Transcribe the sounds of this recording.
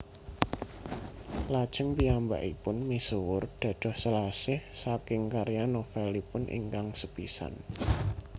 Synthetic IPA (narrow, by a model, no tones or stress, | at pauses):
lad̥ʒ̥əŋpiamba̰ʔipʊnmisʊwʊrd̪̥ä̤d̪̥ɔ̤hsəlasɪhsakɪŋkaɾjanofɛlipʊnʔḭŋkaŋsəpisa̰n